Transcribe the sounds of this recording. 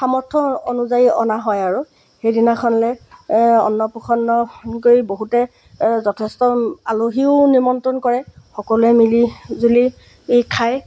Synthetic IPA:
xamɔɹtʰːɔonuzaiɔ̰naɦɔjaɹu | xejdinakʰɔnlɛ | ɔ̰nːɔpɔxʰɔnːɔkoiboɦutɛ | zɔtʰɛstɔaloɦiʊnimɔntɔnkɔɹɛxɔkɔlɛmilizuli | kʰaj

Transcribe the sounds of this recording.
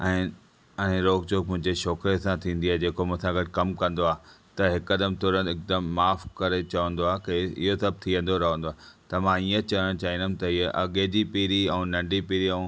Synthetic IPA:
ɛ̃ː | ɛ̃ːɾoːɡd͡ʑoːk̚mʊ̃ɦɪ̃ɲd͡ʑeʃɔːkɾiesãt̪ʰĩːnd̪iaːɦed͡ʑeːkomʊ̃sãɡɐʈ̚kɐmkɐ̃nd̪oaːt̪ɐɦɪkːɐd̪əmt̪ʰoːɾə̃nɪk̚d̪əmːaːfkɐɾet͡ɕɐʋə̃nd̪oaːɦekeɪ̰ɦosɐb̚ʱt̪ʰiʋə̃n̆d̪oɾɐɦə̃nd̪oaːt̪ɐmãiːə̃t͡ɕɐʋəɽ̃t͡ɕaːɦĩnd̪əm̆t̪ɐɪeʔɐɠed͡ʑipiːɾiɛ̃nɐ̃ɳɖipiːɾiɛ̃ũ

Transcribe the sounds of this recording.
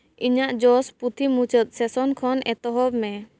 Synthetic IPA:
iɲaʔd͡ʒɔsput̪ʰimut͡ʃət̪̚sɛsɔnkʰɔnʔɛt̪ɔɦɔbmɛ

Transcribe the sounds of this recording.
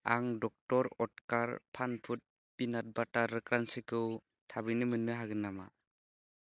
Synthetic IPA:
aŋdɔk̚tɔɾɔt̚kaɾpʰanpʰut̚ | b̥inat̚bataɾɯkɾansɯkɯw | tʰabɯjnɯmɯnːɯɦaɡɯnːama̰

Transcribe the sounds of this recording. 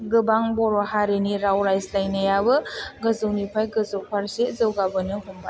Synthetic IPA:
ɡɯbaŋbɔɾɔɦaɾeniɾawɾajzlajnajabɯɡɯzɯwnipʰajɡɯzɯwpʰaɾsezɯwɡabɯnɯɦumba

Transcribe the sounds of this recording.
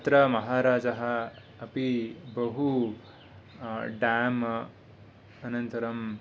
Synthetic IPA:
t̪ɾɐmɐɦaːɾaːd͡ʒɐɦɐː | pibɐɦu | ɖaːm | ɐnɐnt̪ɐɾɐm

